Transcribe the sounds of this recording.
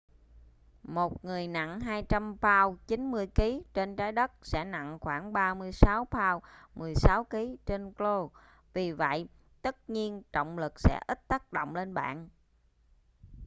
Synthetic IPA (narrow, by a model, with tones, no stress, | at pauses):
mo˨˩t̚ŋɨ˨˩əjna̰˧˨ŋɦaː˧jt͡ɕa˧mpʰaː˧wt͡ɕi˨˦nmɨ˧əjki˨˦t͡ɕe˧nt͡ɕaː˨˦jɗə˦˥t̚sɛ̰˧˥na̰˧˨ŋxwaː˧˩ŋɓaː˧mɨ˧əjsa˨˦wpʰaː˧wmɨ˨˩əjsa˨˦wki˨˦t͡ɕe˧nklo˧ | vi˨˩və̰˧˨jʔ | t̪ə˦˥t̚ɲi˧ənt͡ɕɔ̰˧˨wŋ͡mlɨ˨˩k̚sɛ̰˧˥ʔi˦˥t̚t̪a˦˥k̚ɗo̰˧˨wŋ͡mle˧nɓa̰ː˧˨n